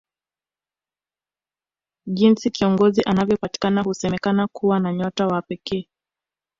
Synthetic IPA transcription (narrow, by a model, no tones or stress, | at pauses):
ʄinsikiɔŋɡɔziʔanavjɔpati̥kanahusɛmɛkanakuwanaɲɔtawapɛkɛː